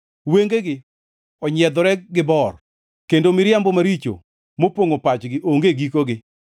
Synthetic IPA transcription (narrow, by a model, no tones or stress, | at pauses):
weŋɡeɡɪ | ɔɲɛd̪ɔɾɛɡɪbɔr | kendomɪɾjambɔmaɾit͡ʃo̰ | mopoŋopat͡ʃɡɪʔoŋɡeɡikoɡɪ